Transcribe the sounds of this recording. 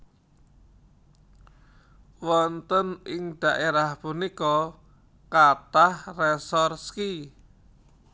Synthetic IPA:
wɔnt̪ənɪŋɖ̪̥aʔeɾahpunikɔ | kat̪ahrɛsɔrski

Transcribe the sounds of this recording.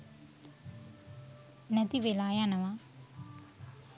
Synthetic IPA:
nɐt̪iʋelaːjaːnɐʋa

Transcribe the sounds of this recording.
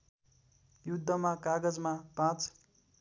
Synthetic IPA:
jud̪ʱːʌmakaɡʌd͡zmapãt͡s

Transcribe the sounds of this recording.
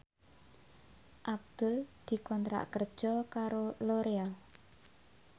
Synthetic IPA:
ʔab̚d̪̥ʊld̪̥i̤kɔnt̪ɾa̰ʔkərd̥ʒ̥ɔkaɾoloɾeal

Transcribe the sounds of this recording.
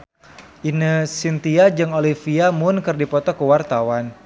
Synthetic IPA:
inəsint̪iad͡ʒɨŋolifiamʊnkɨrdipɔt̪ɔkəwart̪awan

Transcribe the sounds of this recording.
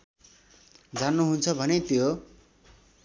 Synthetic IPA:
d͡zanːuɦunt͡sʰʌbʱʌnet̪jo

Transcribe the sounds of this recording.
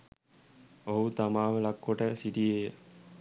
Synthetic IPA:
oɦut̪amaːʋəlɐkːoʈəsiʈijejə

